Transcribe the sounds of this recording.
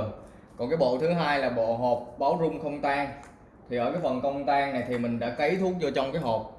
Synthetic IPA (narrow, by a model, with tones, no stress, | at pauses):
kɔ˨˩nkaː˨˦jɓo̰˧˨t̪ʰɨ˨˦ɦaː˧jlaː˨˩ɓo̰˧˨ɦo˨˩p̚ɓaː˨˦wzʊ˧ŋ͡mxə˧wŋ͡mt̪aː˧ŋ | t̪ʰi˨˩ʔə̰ː˧˩kaː˨˦jfə˨˩nkə˧wŋ͡mt̪aː˧ŋna˨˩jt̪ʰi˨˩mï˨˩ŋ̟ɗa̰ː˧˥kə˨˦jt̪ʰu˦˥ək̚t͡ɕɔ˧t͡ɕɔ˧ŋ͡mkaː˨˦jɦoː˨˩p̚